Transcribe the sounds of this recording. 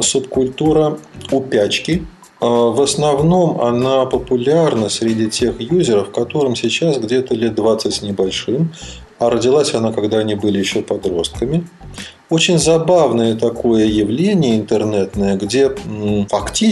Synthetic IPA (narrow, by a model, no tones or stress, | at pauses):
sʊpkʊlʲt̪uɾəʊpʲæt͡ɕkʲɪ | vəsnɐvno̞mɐ̰napəpʊlʲarnəsʲɾʲɪdʲitʲe̞xjuzʲɪɾəfːkɐt̪o̞ɾɨmsʲɪt͡ɕasɡdʲe̞t̪əlʲet̪̚d̪vat̪sɨtʲnʲɪbɐlʲʂɨm | ɐɾədʲɪlˠasʲɐnakɐɡd̪anʲɪbɨlʲɪjɪɕːopɐd̪ɾo̞st̪̚kəmʲɪ | ot͡ɕɪnʲzɐbavnəjət̪ɐko̞jəjɪvlʲenʲɪjəɪnt̪ɨrnɛt̪nəjəɡdʲefɐktʲi